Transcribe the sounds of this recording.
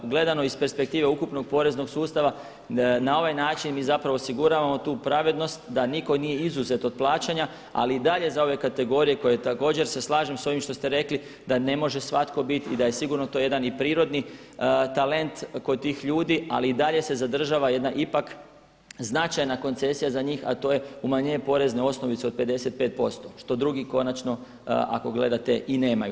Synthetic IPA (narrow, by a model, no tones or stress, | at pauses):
ɡle̞d̪ano̞ispe̞ɾspe̞k̚t̪iːʋe̞ukupno̞ɡ̚po̞ɾe̞zno̞ɡsuːst̪aʋa | nao̞ʋajnaːt͡ʃinmiːzapɾaʋoosiɡuɾaːʋamo̞t̪uːpɾaʋe̞d̪no̞st̪d̪aniko̞nije̞izuze̞t̪o̞d̪̚plˠaːt͡ʃaɲa | a̰liid̪aʎe̞zao̞ʋe̞kat̪e̞ɡo̞ɾije̞ko̞jet̪ako̞ːd͡ʑe̞ɾse̞slˠaːʒemso̞ʋimʃt̪o̞st̪eɾe̞kli | d̪ane̞mo̞ʒe̞sʋat̪ko̞bit̪id̪aje̞siɡuɾno̞t̪oje̞d̪anipɾiːɾo̞d̪ni | t̪ale̞nt̪ko̞d̪̚t̪ːiːxʎuːd̪ia̰liid̪aʎe̞se̞zad̪r̩ʒaːʋaje̞d̪naʔipak | znat͡ʃajnako̞nt̪se̞sijazaɲiːxa̰t̪o̞je̞umaɲeepo̞ɾe̞zneo̞sno̞ʋit̪seo̞d̪̚pe̞d̪e̞se̞t̪̚pe̞ːt̪̚po̞st̪o̞ʃt̪o̞d̪ɾuɡiko̞nat͡ʃno̞ | ʔa̰ko̞ɡle̞d̪at̪e̞ʔineːmaju